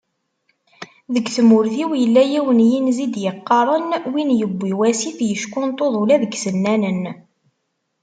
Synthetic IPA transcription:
ðəɡθəmʊɾθiwjəlːæjiwənjinzid̪jəqːɑɾˤənwinjəbʷːiwæsiθjəʃkʊnt̪ˤoðˤulæðəɡsənːænən

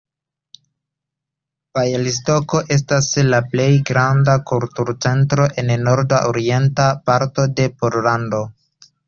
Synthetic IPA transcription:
pajelisto̞ko̞ʔe̞s̬taslaple̞jɡɾandakultuɾt͡se̞ntɾo̞ʔe̞nno̞ɾdaʔoɾie̞ntapaɾto̞de̞po̞ɾlando̞

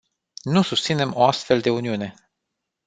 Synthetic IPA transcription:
nusust̪sine̞mo̞ast̪fe̞ld̪e̞uniune̞

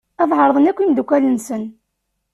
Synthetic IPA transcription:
æðˤʕəɾˤðˤənækʷːimd̪kʷːælənsən

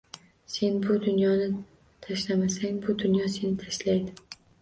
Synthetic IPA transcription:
se̞nbʊd̪ʊnjɒnɪ | t̪ʰaʃlamasaŋbʊd̪ʊnjɒse̞nɪt̪ʰaʃlajd̪ɪ

